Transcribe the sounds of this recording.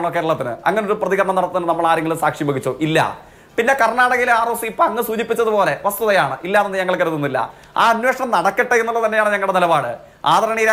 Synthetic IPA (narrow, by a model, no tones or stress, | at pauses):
ɳokːeːɾuɭːɐt̪ːinɨ̰ɐ̰ŋːɐneoɾuprɐðiɣɐɾɐɳɐmnɐɽɐt̪ːɐðinɨnɐmːɐɭaːɾeŋɡilɨsaːkʂibɐɡit͡ɕːo̰ʔilːɐ̰ | pinːe̞kɐrɳaːɽɐɣɐɡilaːrɐsiipːoɐŋːɨsuːd͡ʑipːit͡ɕːɐðupo̞ːle̞ʋɐst̪uðɐjaːɳɨʔilːaːðenːɨɲɐŋːɐɭkːɐɾut̪ːunːilːɐ̰ | a̰ːɐnwe̞ːʂɐɳɐmnɐɽɐkːiʈːeenːulɭːɐt̪ɐnːejaːɳɨɲɐŋːɐɭɽenilɐbaːɽɨ | a̰ːd̪ɐɾɐɳiːɾa